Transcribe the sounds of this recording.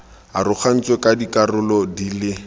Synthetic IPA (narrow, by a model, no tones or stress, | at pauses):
arʊk͡xʰan̩t͡swekadikarʊlɔdiːlɪ